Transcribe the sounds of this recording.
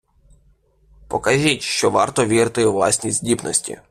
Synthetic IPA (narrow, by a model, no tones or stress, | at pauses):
pɔkɐʒʲitʲʃt͡ʃɔʋɑ̰rt̪ɔʋʲiɾt̪ɪʋlˠɑ̰sʲnʲizʲdʲibnɔ̰sʲtʲḭ